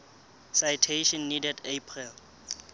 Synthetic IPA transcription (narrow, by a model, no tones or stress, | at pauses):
sajtʰeʃɔnːidɛdepʰril